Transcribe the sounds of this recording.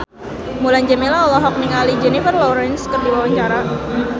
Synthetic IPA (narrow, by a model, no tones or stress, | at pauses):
mulaɲd͡ʒəmilaɔlɔɦɔk̚niŋalid͡ʒɛnifərlɔɾɛnskərdiwawaɲt͡ʃaɾa